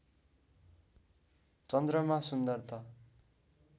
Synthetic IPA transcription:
t͡sʌnd̪rʌmasund̪ʌrt̪ʰʌ

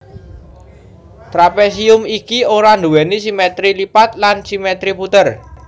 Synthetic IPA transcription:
t̪ɾapes̬iʊmikioɾand̪uwɛnisimet̪ɾilipat̪lansimet̪ɾiput̪ər

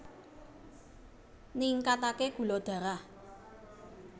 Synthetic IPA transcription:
niŋkat̪akeɡ̥ṳlod̪̥ä̤ɾah

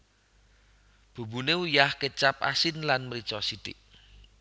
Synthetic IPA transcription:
b̥ṳbuneujahkət͡ʃap̚a̰sɪnlanməɾisɔsit̪iʔ

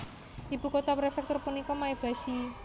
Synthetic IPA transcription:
ʔibukot̪apɾefɛk̚t̪ɔrpunikɔmaeb̥ä̤si

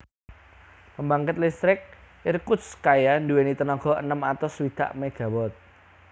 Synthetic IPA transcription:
pəmbaŋkət̪list̪ɾɪk̚ | ɪrkuskajanduwenit̪ənɔɡ̥ɔ̤ʔə̰nəmat̪ɔswit̪a̰ʔmeɡ̥ä̤wɔt̪̚

